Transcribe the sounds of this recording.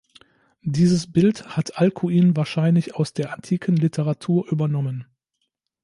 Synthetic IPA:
diːzəsb̥ɪlthatʰʔalkʰuiːnvaːɐʃaɪnlɪçaʊsd̥eːɐʔantʰiːkʰənlɪtʰəʁatʰuːɐʔyːbɐnɔmən

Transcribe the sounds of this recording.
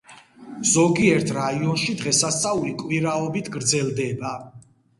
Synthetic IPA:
z̥ɔɡiɛɾt̪ʰɾaiɔnʃid̪ʁɛsast̪sʼaulikʼwiɾaɔbit̪ʰɡɾd̪zɛlˠd̪ɛba

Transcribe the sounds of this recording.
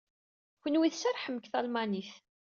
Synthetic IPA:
çʷənwiθsæɾˤħəmkθɑlmaniθ

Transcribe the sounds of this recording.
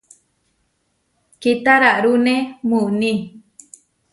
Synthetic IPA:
kit̪aɾaʔɾunẽmunĩ

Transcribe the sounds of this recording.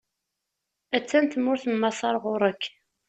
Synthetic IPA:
æt͡sːænt̪əmːʊɾθəmːɑsˤɑɾˤʁʊɾˤəkː

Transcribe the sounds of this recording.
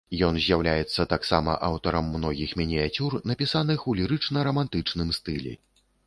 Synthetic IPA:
jɔnzʲjawlʲajɛt̪sːɐt̪aksamɐ̰ʔawt̪ɐɾɐmːnɔɣʲixmʲinʲijat͡sʲurnɐpʲisanɨxulʲiɾɨt͡ʂnɐɾɐmant̪ɨt͡ʂnɨmst̪ɨlʲɛ̰

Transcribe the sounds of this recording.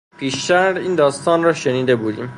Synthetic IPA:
pʰiːʃt̪æɾɾiːnd̪ɒːst̪ɒːnɾɒːʃeniːd̪e̞buːd̪ḭːm

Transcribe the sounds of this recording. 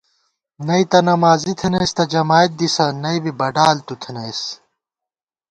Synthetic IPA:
nɐit̪ɐnɐmaːzit̪ʰɐnɐjst̪ɐd͡ʑɐmaːjt̪̚d̪isɐnɐibibɐɖaːlt̪ut̪ʰinɐis

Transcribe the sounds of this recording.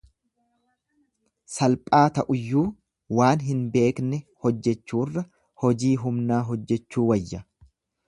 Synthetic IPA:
sɐlpʼaːt̪ɐʔʊjːuː | waːnɦɪnbe̞ːknɛhɔd͡ʒːɛt͡ʃːuːrːɐ | hɔd͡ʒiːɦʊmnaːɦɔd͡ʒːɛt͡ʃːuːwɐjːɐ

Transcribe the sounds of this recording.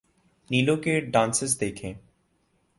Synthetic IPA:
nilokeɖãnsesd̪ekʰe

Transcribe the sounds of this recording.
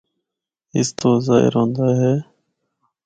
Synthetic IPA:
ɪ̰st̪oːza̰ːɦɪ̰ɾɦõːnd̪aːɦɛː

